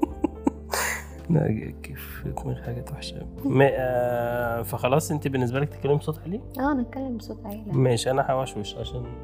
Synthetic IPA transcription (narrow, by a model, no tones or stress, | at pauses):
næ̰ɡ̰keːf | kumelħaɡæːt̪waħʃæ̰ | mæ | fæxɑlɑːsˤʔent̪ibenːes̬bælæk̚t̪e̥kːælːembsˤot̪ˤħleːʔæːnet̪̚kælːembesˤot̪ħeːlæmæʃʔænæħæwæʃweʃʕaʃæːn